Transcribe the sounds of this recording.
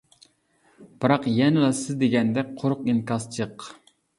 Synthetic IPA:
b̥ɨɾɑqjɛnɪlɑsɨzd̪eɡʲɛnd̪ɛqʰoɾʊqinkɑst͡ʃʰɨq

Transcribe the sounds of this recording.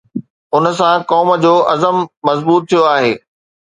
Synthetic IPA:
ʊnə̆s̬ãkɔːm̆d͡ʑoːʔɐzəmːɐzbuːt̪̚ʰːijoaːɦeː

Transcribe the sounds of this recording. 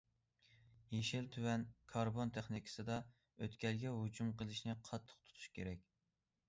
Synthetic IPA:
jeʃɪlt̪ʰywɛnkʰɑɾbont̪ʰeχnikʰɪ̥sɨd̪ɑ | øt̪kʲʰɛlɡʲɛɦud͡ʒumqʰəlˠɪʃnɪqʰɑt̪ʰːə̥qt̪ʰu̥t̪ʰu̥ʃkʲʰeɾɛk̚ʲ

